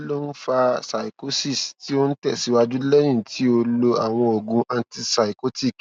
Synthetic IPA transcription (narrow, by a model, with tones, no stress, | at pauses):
lo˦n̩˦fa˧sa˨i˨ko˦si˦˨sti˦o˦n̩˦tɛ˦˨si˨˦wa˧d͡ʒu˦lɛ˦j̃ĩ˦˨tʰi˨˦o˧lo˧a̰˨w̃ɔ̃˧o˨ɡũ˧ʔã˧ti˧sa˨i˨ko˦ti˦˨k